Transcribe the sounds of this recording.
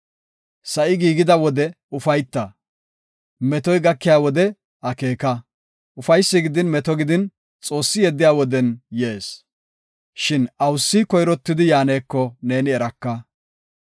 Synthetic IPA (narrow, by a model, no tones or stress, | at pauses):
sɐʔɪɡiːɡɪd̪ɐwɔd̪ɛ | ʊfɐjt̪ːɐ | mɛt̪ɔjɡɐkːɪjaːwɔd̪ɛ | ɐke̞ːkɐ | ʔʊfɐjsːɪɡɪd̪ɪnmɛt̪ɔɡɪd̪ɪn | t͡sʼo̞ːsːɪjɛd̪ːɪjaːwɔd̪ɛnjeːs | ʃɪnɐwsːikɔjɾɔt̪ːɪd̪ɪjaːneːkːɔne̞ːnɪɛɾɐkːɐ